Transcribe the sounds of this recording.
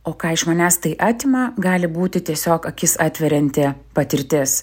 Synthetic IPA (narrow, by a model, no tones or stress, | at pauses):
oːkɑːɪʃmɐnʲæːst̪ɐɪʔɑːt̪ʲɪmɑːɡɑːlʲɪbuːt̪ʲɪt̪ʲiɛsʲoːkɐkʲɪsɑːt̪ʲʋʲɛɾʲɛnʲt̪ʲeːpɐt̪ʲɪɾʲt̪ʲɪːs